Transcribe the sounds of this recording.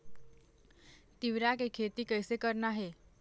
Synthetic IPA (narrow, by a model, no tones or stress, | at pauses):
t̪iʋɾakekʰet̪iːkəjsekəɾnaɦe